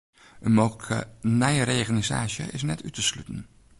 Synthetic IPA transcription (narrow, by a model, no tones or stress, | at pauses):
ənmowkʰə̰nɛjɾejχaniza̰ːʃə̰ʔɪsnɛtytəslytən